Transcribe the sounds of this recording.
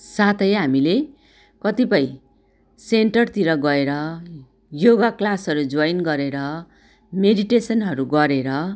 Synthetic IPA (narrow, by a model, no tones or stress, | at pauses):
sat̪ʰʌjɦamile | kʌt̪ipʌj̃ | seɳʈʌrt̪iɾʌɡʌeɾʌ | joɡaklasʌɾud͡zʌjnɡʌɾeɾʌ | meɖiʈesʌnɦʌɾuɡʌɾeɾʌ